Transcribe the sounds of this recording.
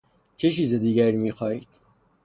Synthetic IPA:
t͡ʃʰet͡ʃiːzed̪iːɡæɾimiːxɒːiːd̪̥

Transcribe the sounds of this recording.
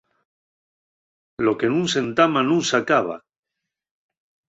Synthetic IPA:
lo̞kenũŋse̞nt̪amanũŋsakaβa̰

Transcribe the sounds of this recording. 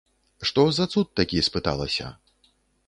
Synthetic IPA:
ʂt̪ɔzat̪sut̪ːakʲispɨt̪a̰lˠɐ̰sʲɐ̰

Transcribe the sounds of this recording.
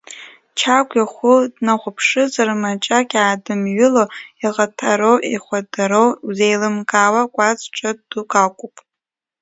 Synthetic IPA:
t͡ʃʰakʷʼjaχʷʊdnaʁʷʊpʰʂɨzarmat͡ʃʼakʲʼaːdɨmɥʊloiʁatʰaɾowʔiχʷadaɾowwzejlɨmkʼaːwakʷʼat͡sʼʈ͡ʂʼaddukʼakʷʼʊpʼ

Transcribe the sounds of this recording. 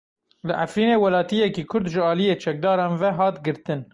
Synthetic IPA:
lɨʔa̰fɾiːneːwɛlɑːt̪ijɛkiːkʰʊɾd̪ʒɨɑːlijeːt͡ʃʰɛk̚d̪ɑːɾɑːnvɛɦɑːt̪ɡɨɾt̪ɨn

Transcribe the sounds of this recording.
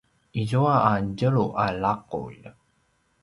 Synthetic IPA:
ʔizuaaɟəɭuʔalaqṵʎ

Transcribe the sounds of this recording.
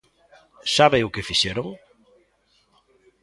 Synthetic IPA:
saβeʊkɪfiʃeɾoŋ

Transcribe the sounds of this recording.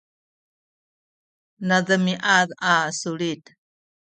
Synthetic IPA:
naðəmiʔaðasuɭit̪

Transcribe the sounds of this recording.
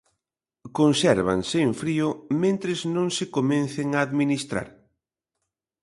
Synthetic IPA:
konsɛɾβa̰ŋsɪːɱfɾiʊmẽnt̪ɾɪznõŋsɪkomẽnθɪŋaːðminist̪ɾa̰ɾ

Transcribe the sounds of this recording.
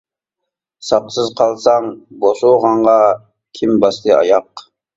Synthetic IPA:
sɑqsɨzqʰɑlˠsɑŋboʃoʁɑɴʁɑ | kʲʰimbɑslˠɨɑ̰jɑq

